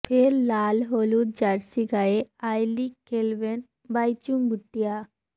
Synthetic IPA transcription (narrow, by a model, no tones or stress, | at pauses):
pʰeɾlaːlɦoːlud͡ʒaɾsiɡaeaːjlikelʋen | baːjt͡ʃuŋbʱʊʈːijaː